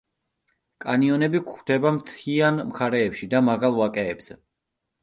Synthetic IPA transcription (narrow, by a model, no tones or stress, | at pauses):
kʼaniɔnɛbikʰχd̪̥ɛbamt̪ʰianmχaɾɛːpʃid̪amaɣalˠvakʼɛːbz̥ɛ